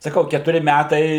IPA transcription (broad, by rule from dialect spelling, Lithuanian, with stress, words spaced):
sɐˈkɐʊ kʲɛtʊˈrʲɪ ˈmʲætɐɪ